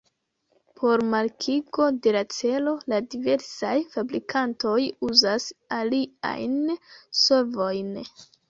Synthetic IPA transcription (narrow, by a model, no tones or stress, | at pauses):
pʰo̞ɾmaɾkʰiɡo̞de̞lat͡se̞lo̞ladive̞ɾsajfabɾikʰanto̞juzasalia̰jnso̞ɾvo̞jn